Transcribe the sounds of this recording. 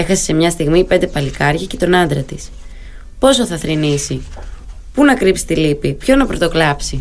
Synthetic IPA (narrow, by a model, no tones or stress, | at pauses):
e̞xɐsese̞mɲɐst̪iɣmipe̞nd̪e̞pɐlikɐɾʝɐce̞t̪o̞nɐnd̪ɾɐt̪is | po̞soθɐθɾinisi | punɐkɾipsi̥t̪ilipipço̞nɐpɾo̞t̪o̞klɐpsi